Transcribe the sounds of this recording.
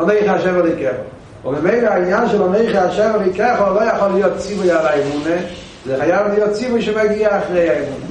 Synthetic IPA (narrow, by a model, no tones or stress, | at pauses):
ɔneɪχaʃɛvalˠikɛχɔ | umbəmeɪleaɪnjanʃɛlɔneɪχeaʃɛvalˠikɛχɔlˠojaχɔlːijot̚t͡sivʊjalajmune | zɛχajavlˠijot̚t͡sivʊjʃemaɡiaaχʁejajmune